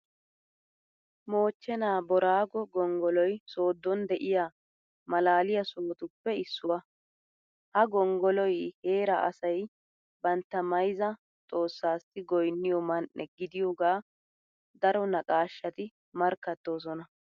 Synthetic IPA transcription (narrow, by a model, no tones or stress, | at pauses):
mo̞ːt͡ʃːɛnaːbɔɾaːɡɔɡɔŋɡɔlɔjso̞ːd̪ːɔnd̪ɛʔɪjaː | mɐlaːlɪjɐsoːt̪ʊpːɛɪsːʊwɐ | hɐɡɔŋɡɔlɔjhe̞ːɾɐʔɐ̰sɐj | bɐnt̪ːɐmɐjzɐ | t̪ʼo̞ːsːaːsɪɡɔjnːɪjɔmɐnʔɛ̰ɡɪd̪ɪjoːɡaː | d̪ɐɾɔnɐkʼaːʃːɐt̪ɪ | mɐɾkːɐt̪ːo̞ːs̬ɔnɐ